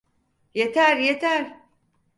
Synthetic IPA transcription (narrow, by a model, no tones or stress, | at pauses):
jet̪ʰæɾjet̪ʰæɾ